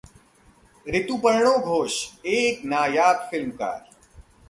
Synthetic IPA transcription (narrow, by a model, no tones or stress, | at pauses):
ɾɪt̪upəɾɳ̃oːɡʱoːʃeːknaːjaːt̪fɪlmka̰ːɾ